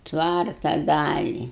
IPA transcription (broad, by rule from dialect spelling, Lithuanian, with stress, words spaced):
ˈtʋɐrtɐ ˈdɑːlʲɪ